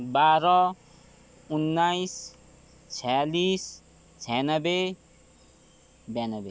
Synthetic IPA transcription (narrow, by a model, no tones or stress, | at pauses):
baɾɔ | unːajs | t͡sʰɛlis | t͡sʰɛnʌbe | banɔbe